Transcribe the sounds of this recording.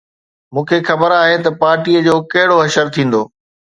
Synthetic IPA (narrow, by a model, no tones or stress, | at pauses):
mũːkʰexɐbəɾaːɦet̪ɐpaːɾʈiəd͡ʑoːkɐɦɪɽoɦɐʃəɾt̪ʰĩːn̆d̪oː